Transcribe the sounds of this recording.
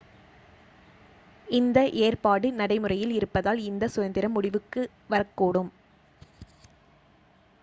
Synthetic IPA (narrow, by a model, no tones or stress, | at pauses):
ɪnd̪ɐʔeːrpaːɽɯnɐɽɐɪmɯrɐjɪlɪɾɯpːɐðaːlɪnd̪ɐsʊjɐnd̪ɪɾɐmːʊɽɪʋɯkːɯ | ʋɐɾɐkːuːɽɯm